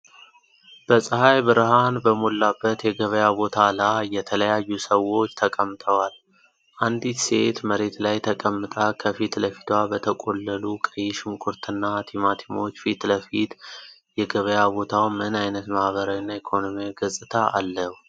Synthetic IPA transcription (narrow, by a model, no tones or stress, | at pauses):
b̥əsʼəhajbɨɾɦanbəmolːabːət̪jɛɡəβəjabo̞t̪ʰalajɛt̪ʰələjajːusəwo̞t͡ʃːt̪ʰəkʼəmːt̪ʰəwal | ʔand̪it̪set̪məɾe̞t̪lajt̪ʰəkʼəmːɨt̪ʼakʰəfit̪ləfi̥t̪ʰwabət̪ʰəkʼo̞lːəlukʼəjːɪʃɪmkʼuɾt̪ʰɨnːat̪ʰimat̪ʰimo̞t͡ʃːfit̪ləfit̪jɛɡəβəjabo̞t̪ʰawmɨnajnət̪mahβəɾawinːaikʰo̞no̞miaɡəsʼɨt̪ʰaʔalːəhu